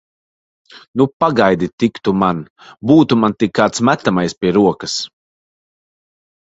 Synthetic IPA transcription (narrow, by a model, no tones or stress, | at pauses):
nupaɡajd̪it̪ikt̪umanbuːt̪umant̪ikːaːt̪smæt̪ːamajspʲiɛɾuɔkɐs